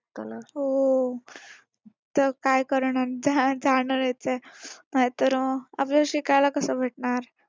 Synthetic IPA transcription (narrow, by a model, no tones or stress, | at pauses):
t̪olaɦo | t̪əɾkajkəɾɳaɾd͡zad͡zaɽəɾjet͡senaɦjt̪əɾa̰pləɕikajlakəsəbʱeʈɳaɾ